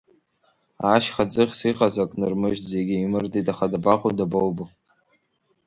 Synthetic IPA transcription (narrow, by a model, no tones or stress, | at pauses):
aʃχad͡zɨχʲsiqazakʼnɨrmɨʒzeɡʲɪimɨrdʼitʼaχadabaqʼudabowbɨ